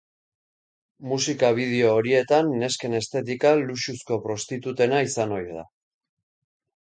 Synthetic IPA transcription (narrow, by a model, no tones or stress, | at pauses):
musikaβ̞ið̞eo̞ːɾie̞t̪anːe̞ske̞ne̞st̪e̞t̪̬ikaluʃusko̞pɾo̞st̪it̪ut̪e̞naisano̞jða̰